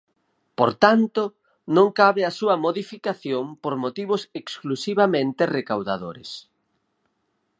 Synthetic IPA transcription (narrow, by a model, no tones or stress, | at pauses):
poɾt̪ant̪o | nõŋkaβɪasuɐmoðifikaθjompoɾmot̪iβ̞ʊseksklusiβamẽnt̪ɪrekawðaðoɾɪs